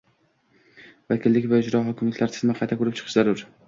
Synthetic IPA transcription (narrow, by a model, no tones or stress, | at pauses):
vakʲʰɪlːɪkʲvaʊd͡ʒɾɒɦɒkʲɪmlɪk̪ʲlaɾt̪ʰɪ̥smaqʰɑjt̪ʰakʰʊɾɪp̚t͡ʃʰɨ̥qʰɨʃzaɾʊɾ